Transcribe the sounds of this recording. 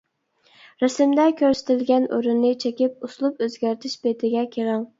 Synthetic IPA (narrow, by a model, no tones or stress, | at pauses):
ɾɛsɪmd̪ɛkʲʰøɾsɪ̥t̪ʰɪlɡʲɛnʔoɾynːɪt͡ʃʰekʲɪp̚uslˠupøzɡʲæɾt̪ʰɪʃbet̪ʰɪɡʲɛkʲʰeɾɑŋ